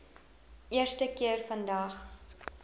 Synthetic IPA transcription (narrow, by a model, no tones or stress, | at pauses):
ʔiərstəkiərfɐndɐχ